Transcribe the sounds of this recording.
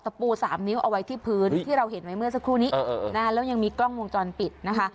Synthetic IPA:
t̪a˧puː˧saː˩˦mni˦˥wʔa˧wa˦˥jt̪ʰiː˥˩pʰɯː˦˥nt̪ʰiː˥˩ɾa˧wɦe˩˦nwa˦˥jmɯ˥˩ɐsa˦˥kʰɾuː˥˩niː˦˥˩ʔːʔːʔna˦˥lɛː˦˥wja˧ŋmiː˧klɔ˥˩ŋwo˧ŋt͡ɕɔː˧npi˨˩t̪̚na˦˥kʰa˦˥

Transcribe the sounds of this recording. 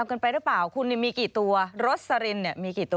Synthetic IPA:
a˧mkɤː˧npa˧jɾɯ˦˥paː˨˩wkʰu˧nːi˧˩miː˧kiː˨˩t̪u˧ɐɾo˦˥t̪̚sa˧ɾi˧nːi˧˩əmiː˧kiː˨˩t̪ː

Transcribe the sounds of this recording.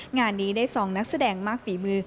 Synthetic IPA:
ŋaː˧nːiː˦˥daː˥˩jsɔː˩˦ŋna˦˥k̚sa˧dɛː˧ŋmaː˥˩k̚fiː˨˩˦mɯː˧

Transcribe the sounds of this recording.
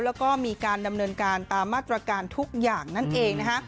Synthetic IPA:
wlɛː˦˥wkɔː˥˩miː˧kaː˧nda˧mnɤː˧nkaː˧nt̪aː˧mːaː˥˩t̪ɾa˧kaː˧nt̪ʰu˦˥k̚jaː˨˩ŋna˥˩nʔeː˧ŋn˦˥kʰa˦˥

